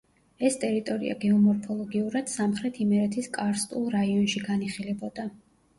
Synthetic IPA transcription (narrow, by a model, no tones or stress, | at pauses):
ɛst̪ʼɛɾit̪ʼɔɾḭa̰ɡɛɔmɔɾpʰɔlˠɔɡiuɾad̪̥samχɾɛt̪ʰimɛɾɛt̪ʰiskʼaɾst̪ʼṵlˠɾaiɔnʃiɡaniχilɛbɔd̪a